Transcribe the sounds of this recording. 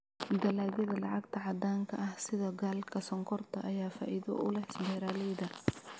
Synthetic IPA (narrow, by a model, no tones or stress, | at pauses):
d̪ɐlaːɣɐðɐlɑʕɑɡ̚t̪ʰɐʕɑd̪aːŋkʰɐɐhsɪðɐɡaːlkʰɐsɐŋkʰɔrt̪ʰɐʔɐjaːfa̰ːʔiðɔ̰ʔʊlɛhɪsbɛːɾaːlɛjðɐ